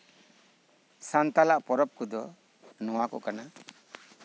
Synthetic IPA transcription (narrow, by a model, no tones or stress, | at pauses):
sant̪alaʔpɔɾɔp̚kud̪ɔ | nɔwakɔkana